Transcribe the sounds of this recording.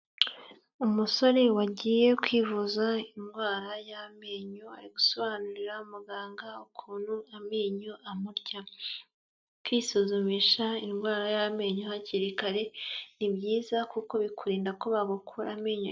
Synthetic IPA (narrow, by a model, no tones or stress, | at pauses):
umuso̞ɾewaɟiːje̞kwiːvuzainɡwaːɾajameːɲoa̰ɾiɡuso̞βaːnuɾiɾaumuɡaːŋɡaukʰuːn̥huamiːɲoʔamuɾɟa | kwiːsuzumiʃainɡwaːɾajame̞ːɲohaciɾikaɾe̞nibɟiːzakuko̞βikuɾiːndako̞βaɡukʰuɾamiːɲo